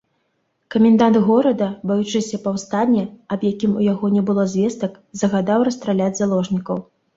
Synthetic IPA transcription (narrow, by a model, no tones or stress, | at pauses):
kɐmʲɛnd̪and̪ɣɔɾɐd̪ɐbajut͡ʂɨsʲɐpɐwst̪anʲːɛɐbjakʲimujaɣɔnʲɛbɨlˠɔzʲvʲɛst̪ɐk | zɐɣad̪awɾɐst̪ɾalʲad͡zʲzalˠɔʐnʲikɐw